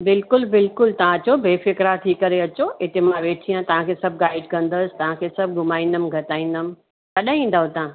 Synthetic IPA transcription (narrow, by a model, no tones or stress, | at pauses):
bɪlkʊlbɪlkʊlt̪ɐʋ̤ãt͡ɕobʱeːfɪkɾat̪ʰikɐɾeɐt͡ɕoɪt̪emãʋeːʈʰijãt̪ɐʋ̤ãkʰesɐb̚ʱɡaːɪɖkɐ̃nd̪əsɪ̥t̪ɐʋ̤ãkʰeːsɐb̚ʱɡʱʊmaːĩːnd̪əmɡʱɐtaːĩːnd̪əmɪ̃̆ | kɐɗãĩːnd̪aːõt̪ã